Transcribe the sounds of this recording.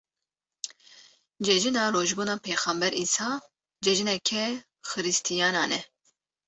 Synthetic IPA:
d͡ʒɛʒinɑːɾoːʒbuːnɑːpʰeːxɑmbɛɾʔiːsɑː | d͡ʒɛʒinɛkʰɛ | xɨɾɨst̪ʰijɑːnɑːnɛ

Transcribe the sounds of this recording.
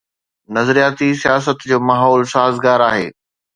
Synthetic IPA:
nɐzɾijaːt̪isijaːs̬ət̪d͡ʑoːmaɦɔːlsaːɦzɡaːɾaːɦḛː

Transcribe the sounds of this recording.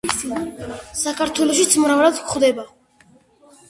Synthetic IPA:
sakʰaɾt̪ʰwɛlɔʃ̬it̪sʰmɾavlad̪kʰχd̪ɛba

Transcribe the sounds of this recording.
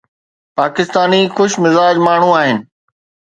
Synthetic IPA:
paːkɪst̪aːnixʊʃmɪzaːd͡ʑmaːɳ̤ũaːɦɪnɪ̆

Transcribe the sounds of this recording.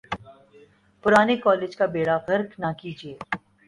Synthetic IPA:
pʊɾaːnekɔːleːd͡ʒkabeːɽafɐɾknakiːd͡ʒieː

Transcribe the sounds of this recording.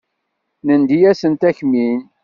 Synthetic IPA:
nənd̪ijæsənt̪æçmin

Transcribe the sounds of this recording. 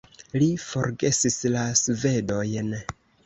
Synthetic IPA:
lifo̞̰ɾɡe̞sislasve̞do̞jn

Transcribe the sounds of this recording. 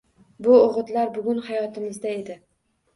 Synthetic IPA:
bʊoʁɨt̪laɾbʊɡʲʊnhajɒt̪ʰɪmɪzd̪ae̞d̪ɪ

